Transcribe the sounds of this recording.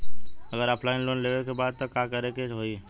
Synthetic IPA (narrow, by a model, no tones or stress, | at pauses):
ɐɡəɾaːpʰlaːɪnloːnleːʋekebaːd̪̚t̪okaːkɐɾekeɦoːi